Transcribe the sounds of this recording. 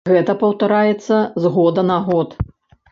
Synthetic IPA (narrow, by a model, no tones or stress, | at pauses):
ɣɛt̪ɐpɐwt̪aɾajɛt̪sːɐzɣɔd̪ɐnaɣɔt̪